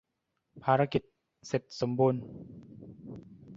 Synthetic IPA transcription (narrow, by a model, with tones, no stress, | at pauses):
pʰaː˧ɾa˧ki˨˩t̪̚ | se˨˩t̪̚so˩˦mbuː˧n